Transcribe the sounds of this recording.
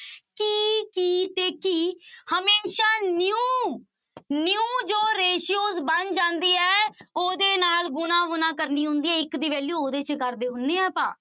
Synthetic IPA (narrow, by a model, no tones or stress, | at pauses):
kiːkiːt̪eːkiːhəmeːʃaːnjuː | njũːd͡ʒoːɾeːʃijoːzbənd͡ʒãːnd̪iːɛːoːd̪eːnaːlɡʊnãːʋʊnãːkəɾniːɦʊ̃nd̪iːɛːɪkd̪iːʋɛːluːoːd̪eːt͡ʃkəɾd̪eːɦʊnːẽːɛːpãː